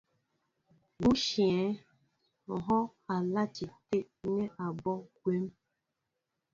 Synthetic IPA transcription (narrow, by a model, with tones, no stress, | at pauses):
ɡu˦ʃi˨e˨˦ | ɔ˨ɦɔ˦a˨la˦t͡ʃi˨te˦ | ne˦ʔa˨bɔ˦ɡʷe˦m̩˦